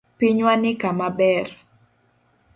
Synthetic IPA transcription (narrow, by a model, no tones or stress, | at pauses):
piɲwanɪkamabɛr